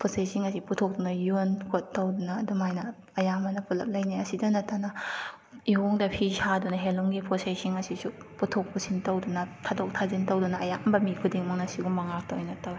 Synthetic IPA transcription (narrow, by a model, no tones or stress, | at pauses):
pʰosajsiŋɐsiputʰok̚dunɐjunkʰotːɐwdunɐːdumajnɐ | ɐjamɐnɐpulɐ̰p̚lɐjniɐsidɐnɐtʰanɐ | ihoŋdɐpʰisadunɐɦeluŋɡipʰosajsiŋɐsisu | putʰok̚pusʰintɐwdunɐtʰadok̚tʰazintɐwdunɐɐjambɐmikʰudiŋmaŋnasiɡumːɐŋak̚towjnɐtawi